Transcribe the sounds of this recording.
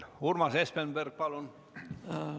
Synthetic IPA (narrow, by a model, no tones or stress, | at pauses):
urmɑsespenberk̚pɑlon